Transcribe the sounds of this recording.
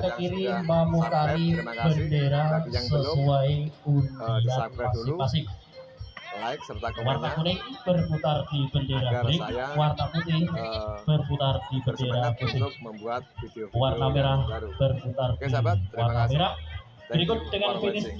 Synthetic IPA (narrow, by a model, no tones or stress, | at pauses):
kəkiɾimamukaɾib̥əndeɾasəsuaiundiat̪̚pasɪkpasɪk̚ | wart̪akuɾɪŋb̥ərput̪ardib̥əndeɾabuɾɪk̚wart̪aput̪ɪhb̥ərput̪ardibəndeɾaput̪ɪh | warnameɾahb̥ərput̪ardiwarnameɾah | b̥əɾikʊt̪̚d̥əŋanfinɪs